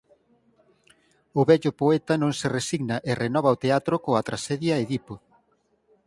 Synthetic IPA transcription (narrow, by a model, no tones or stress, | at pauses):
ʊβɛʎʊpoɛt̪ɐnõŋseresiɡnɐʔɪrenɔβ̞ɐot̪eat̪ɾʊkoɐt̪ɾasɛðjɐeðipo